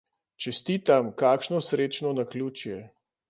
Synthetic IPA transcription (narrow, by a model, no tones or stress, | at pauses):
t͡ʃɛst̪iːt̪amkaːkʃnɔsɾeːt͡ʃnɔnakluːt͡ʃjɛ